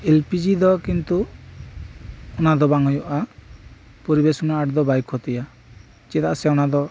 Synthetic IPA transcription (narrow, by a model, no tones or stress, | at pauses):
elpid͡ʒid̪ɔkint̪u | ɔnad̪ɔbaŋɔjɔʔa | poɾibesunaːʈd̪ɔbajkʰɔt̪ija | t͡ʃɛt̪aʔsɛɔnad̪ɔ